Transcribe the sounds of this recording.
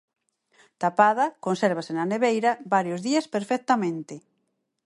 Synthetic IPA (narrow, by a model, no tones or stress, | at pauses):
t̪apað̞ɐkonsɛɾβ̞asɪnɐneβejɾɐbaɾjozðiɐspeɾfɛk̚t̪ɐmẽnt̪ɪ